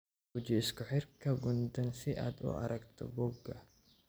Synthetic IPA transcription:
ɡʊd͡ʒɪɪskʊħɪrkɐɡʊnd̪ɐnsɪʔɐ̰d̪ʊ̰ɐ̰ɾʔɐkt̪ʰɔ̰bɔɡːɐ

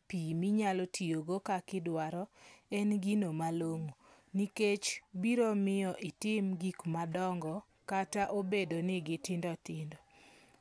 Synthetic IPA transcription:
pimiɲalotʰijoɡokakɪdwaɾɔɛnɡinomaloŋo | niket͡ʃbiɾomɪjɔʔɪtɪmɡikmadɔŋɡɔ | kataʔobedonɪɡɪtɪndɔtɪndɔ

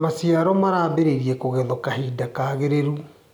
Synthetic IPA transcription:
masiaɾɔmaɾaːβeɾeɾiɛkoɣɛðɔkahiːdakaɣeɾeɾu

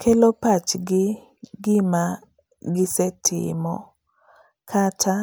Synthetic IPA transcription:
kʰɛlopat͡ʃɡɪ | ɡɪma | ɡɪsɛtʰɪ̰mɔ̰ | kʰatʰa

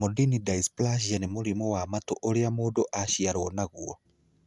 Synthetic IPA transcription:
modinidaisplaʃ̬ianemuɾimowamatoʔoɾeamoːdoʔaʃiaɾwɔnaɣuɔ

